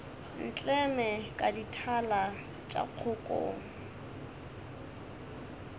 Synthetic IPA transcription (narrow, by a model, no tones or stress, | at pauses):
n̩t͡ɬʼɛmɛkʼaditʰala | t͡ʃʼa̰q͡χʰʊkʼo̰ːŋ̩